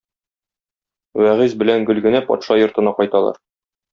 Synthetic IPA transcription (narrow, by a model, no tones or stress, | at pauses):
wæʁizbɘ̆læŋɡɵ̆lɡɘ̆næpɒ̰t̪ʃɑjŏɾt̪ɤ̆nɑqɒjt̪ɑlˠɑ̰ɾ